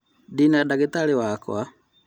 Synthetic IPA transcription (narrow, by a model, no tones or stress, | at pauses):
dinadaɡitaliwakw̰a